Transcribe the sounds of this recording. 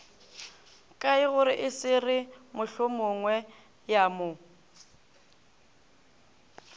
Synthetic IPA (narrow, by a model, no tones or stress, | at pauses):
kʼaɪɣʊɾɪʔɪsɪrɪmʊɬʊmʊŋwɛ | jaːmʊ